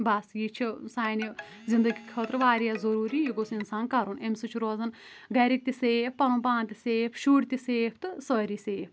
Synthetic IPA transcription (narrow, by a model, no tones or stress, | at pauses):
bɐsjit͡ʃʰisaːjni | zind̪ɐɡʲikʲʰot̪ɾʋaːɾijazɐɾuːɾiːjiɡosinsaːnkɐɾunemsɨt͡ʃʰuɾoːzɐn | ɡɐɾik̚t̪ʲiseːp̚pɐnuːpaːnt̪iseːpʰʃuːɽt̪iseːpʰt̪ɨsəɾiseːp